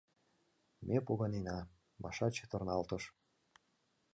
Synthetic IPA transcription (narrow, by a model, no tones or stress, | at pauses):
mʔepoɣɑnenɑ | mɑ̰ʃɑt͡ɕe̥t̪ornɑlt̪ə̆ʃ